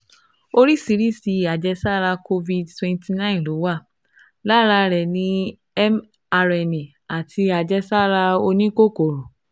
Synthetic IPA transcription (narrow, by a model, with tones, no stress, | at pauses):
o˧ɾi˦si˧ɾi˦˨si˧˨a˨d͡ʒɛ˧sa˦˨ɾa˧ko˧vi˨dtwɛ̃˧ntʰi˧nã˦ĩ˨n˨lo˨˦wa˦˨ | la˦ɾa˧ɾɛ˨nĩ˦ | ɛ˦m | a˧ɾɛ˧˨nĩ˨ | a˨tʰi˧a˨d͡ʒɛ˧sa˦˨ɾa˧o˧nĩ˦ko˦˨ko˨ɾo˨